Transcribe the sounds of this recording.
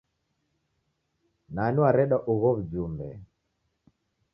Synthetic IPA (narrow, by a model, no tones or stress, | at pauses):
naniwaɾɛɗaʔuɣɔβud͡ʒumbɛ̰